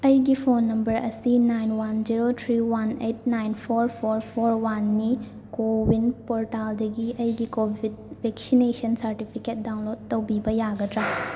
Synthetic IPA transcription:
ɐjɡipʰonːɐmbɐɾɐ̰sinajnwand͡ʒiɾotʰɾiwanejt̚najnpʰoɾpʰoɾpʰoɾwanːi | kowinpoɾtaldɐɡiʔɐjɡikobʱidbʱeksinesɐnsɐɾtipʰiket̚daw̃nlok̚tːɐwbibɐjaɡɐdɾa

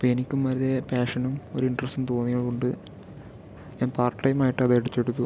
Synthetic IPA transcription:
pːoɐenikʲːumʋɐɾɐðe̞paːʂɐnumo̞̰ɾuiɳɖrɐsumt̪o̞ːnːijɐɭkoɳɖɨ | ɲaːnpaːrʈʈɐjmaːjiʈːɨɐðeɽut͡ɕ̪ːeɽut̪ːu

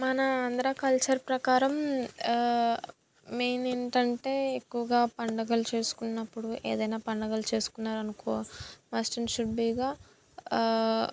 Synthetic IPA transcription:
mɐnɐand̪ɐɾaːkɐlt͡ʃɐɾpɾɐkaːɾɐm | meːneɳʈɐɳʈe̞ːekːuʋɐɡaːpɐɳɖɐɡɐlut͡ʃe̞ːsu̥kunːɐpːuɽuʔḛːd̪ɐjnaːpɐɳɖɐɡɐlut͡ʃe̞ːsu̥kunːaːɾɐnukoːmaːsʈɐnʃuɖbiːɡaː

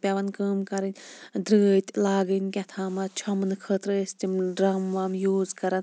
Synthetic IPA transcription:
pʲɐʋɐnkəːmkɐɾɨnʲd̪ɾəːt̪ʲlaːɡənʲkʲɐt̪ʰaːmɐt͡ʃʰɐmnɨkʰəːt̪ɾst̪imɖɾɐmʋaːmjuːzkɐɾɐn

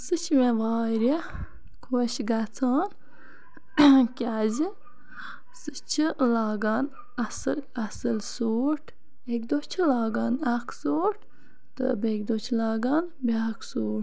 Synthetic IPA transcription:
sɨt͡ʃʰmeʋaːɾe | kʰoːʃɡat͡sʰaːn | kʲaːzi | sɨt͡ʃʰilaːɡaːn | ɐsɨlɐsɨlsuːʈʰ | ekʲd̪ot͡ʃʰilaːɡaːnakʰsoːʈ | t̪ɨ̰bekʲd̪oːt͡ʃʰlaːɡaːn | beakʰsuːʈ

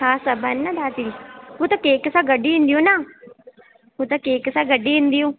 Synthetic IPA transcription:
ɦãːsəbənːãd̪aːt̪ilɦoːt̪akeːksaːɡəɖiːɪ̃nd̪ijõːnaː | ɦot̪akeːksaːɡəɖːiːɪ̃nd̪ijõː

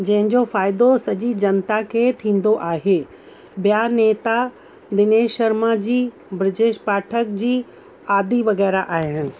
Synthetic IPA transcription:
d͡ʑɐ̃ɦɪ̃ɲd͡ʑofaːɪd̪osɐd͡ʑid͡ʑɐnt̪akʰet̪ʰĩːnd̪oʔaːɦeː | bjaːneːt̪a | d̪ɪneːʃɐɾmad͡ʑiː | bɾɪʈeːʃpaːʈʰəkd͡ʑiː | aːd̪iʋɐɣɛːɾaʔaːɦɪɪnɪ̆

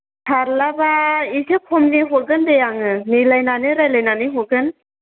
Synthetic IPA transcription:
tʰaɾlabaisʰekʰɔmniɦɔɾɡɯndejaŋɯnilajnanɯɾajlajnanɯɦɔɡɯn

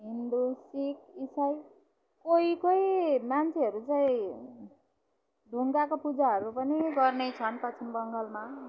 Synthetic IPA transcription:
ɦind̪usikisaj | koikojmant͡sʰeʌɾut͡saĩ | ɖʱuŋɡakopud͡zaɦʌɾupʌniɡʌrnet͡sʰʌnpʌt͡sʰinbʌŋɡʌlma

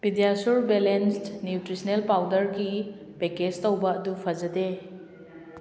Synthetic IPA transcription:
bidijasuɾbelenstnjutɾisnelpawdɐɾɡi | peked͡ʒtowbɐɐdupʰɐd͡ʒɐde

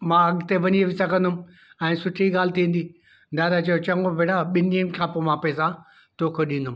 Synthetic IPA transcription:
mãɐɡt̪eʋɐɲieʋɪsɐɡʱɐ̃nd̪ʊm | ɛ̃ːsʊʈʰiɡaːl̤ɪt̪ʰĩːn̆d̪i | d̪aːd̪at͡ɕɐjot͡ɕɐ̃ŋɡobʱeːɽaɓɪniəmkʰãːpomãːpeːsã | t̪oːkʰeɗĩːnd̪ʊm

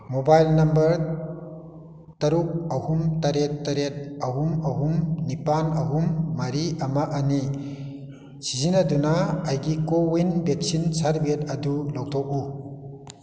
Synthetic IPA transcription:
mobajlnɐmbɐɾ | tɐɾuk̚ɐhumtɐɾetːɐɾet̚ɐɦumɐɦumnipanɐɦumːaɾiʔamaʔani | sizinadunaːjɡikowinbek̚sinsaɾbet̚ɐdulɔk̚t̪ʰɔk̚u

